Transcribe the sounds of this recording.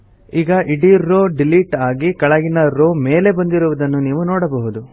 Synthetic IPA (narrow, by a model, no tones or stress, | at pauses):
iːɡɐʔiɽiɾoːɖiliʈaːɡikɐɭɐɡinɐɾoːme̞ːle̞bɐnd̪iɾuʋud̪ɐnːuniːʋunɔːɽɐbɐɦud̪u